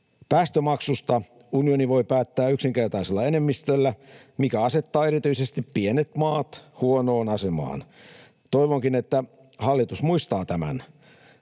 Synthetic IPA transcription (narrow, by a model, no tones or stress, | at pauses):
pæːst̪ømɑksust̪ɑ | unioniʋo̞ipæːt̪ːæːyksiŋkert̪ɑiselːɑenemːist̪ølːæ | mikæɑset̪ːɑːeɾit̪yisest̪ippienet̪mɑːt̪huonoːnɑsemɑ̰ːn | t̪oiʋoŋkinet̪ːæ | hɑlːit̪usmuist̪ɑːt̪æmæ̰n